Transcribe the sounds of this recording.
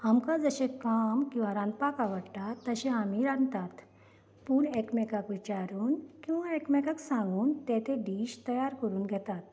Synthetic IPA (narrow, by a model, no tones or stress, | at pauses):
amkad͡zəɕẽkamkĩw̃ʋaɾãnd̪pakaʋəɽt̪at̪ːəɕẽamiɾãnt̪at̪ | puːɳɛkmɛkakʋit͡ɕaɾuːnkĩw̃ʋaɛkmɛkaksãŋɡuːnt̪ɛt̪ẽɖiːɕt̪əjaɾkəɾuːnɡʱɛt̪at̪